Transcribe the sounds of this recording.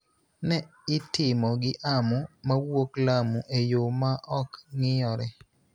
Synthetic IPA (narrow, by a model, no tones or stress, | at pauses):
nɛɪtɪmɔɡɪʔamumawoklamuʔejomaʔɔkŋɪjɔɾɛ